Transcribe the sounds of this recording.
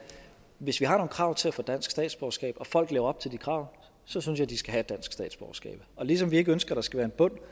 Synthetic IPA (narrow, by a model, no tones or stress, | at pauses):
ʋe̝sʋihɑ̈no̝ːn̩kʰʁɑ̈ʊt͡sʰe̝læfɔ̽d̥æn̰sɡ̥sd̥ɛ̰ːd̥sb̥ɒʊɐsɡ̥ɛ̰ːb̥ɒ̽fɒ̽l̰ɡ̥leːʊɐɒ̽b̥̚t͡sʰe̝ld̥ikʰʁɑ̈ʊ̰ | sɒ̽synsjɑ̈ɪd̥isɡ̥æɦæed̥æn̰sɡ̥sd̥ɛ̰ːdsb̥ɒʊɐsɡ̥ɛ̰ːb̥ɒ̽lis̬ɒ̽mʋie̝ɡ̥əønsɡ̥ɐɾ̥ɑ̈sɡ̥æʋæːɐenb̥ɔ̽n̰